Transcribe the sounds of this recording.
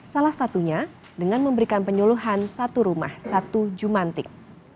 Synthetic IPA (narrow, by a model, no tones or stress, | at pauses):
salahsat̪uɲa | dəŋanməmbəɾikanpəɲuluɦansat̪uɾuma̰hsat̪ud͡ʒumant̪ɪk̚